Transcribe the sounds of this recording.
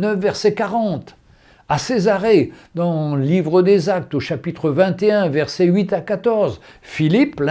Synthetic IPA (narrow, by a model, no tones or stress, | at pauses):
nəfvɛʁsɛkaʁɑ̃t̪ | asezaʁed̪ɑ̃livʁəd̪ezak̚t̪oʃapit̪χəvɛ̃t̪eɛ̃vɛʁsɛɥit̪akat̪ɔʁz | filipl̃